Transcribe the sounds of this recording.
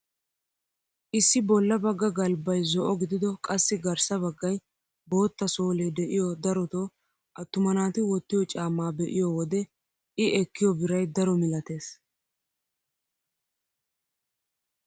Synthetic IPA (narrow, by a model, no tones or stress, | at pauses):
ʔɪsːɪbɔlːɐbɐɡːɐɡɐlbɐjzɔʔɔɡɪd̪ɪd̪ɔkʼɐsːɪɡɐɾsɐβɐɡːɐj | bo̞ːt̪ːɐso̞ːled̪ɛʔɪjɔd̪ɐɾɔt̪oː | ʔɐt̪ːʊmɐnaːt̪ɪwɔt̪ːɪjɔt͡ʃʼaːmːaːbɛʔɪjɔwɔd̪ɛ | ʔɪʔɛkːɪjɔbɪɾɐjd̪ɐɾɔmɪlɐt̪e̞ːs